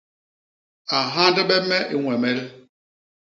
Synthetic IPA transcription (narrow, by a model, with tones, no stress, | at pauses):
a˨ɦa˦ndɛ˦ɓɛ˦mɛ˦ʔi˦ŋwɛ˨mɛ˦l